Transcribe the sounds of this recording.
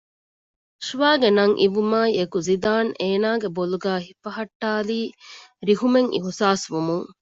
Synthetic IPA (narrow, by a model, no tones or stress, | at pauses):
ʃʋaːɡenɐŋʔḭʋumaːiekuzid̪aːneːnaːɡeboluɡæːɦifɐɦɐʈːaːliːɾiɦumeŋʔḭɦusaːsʋumuŋ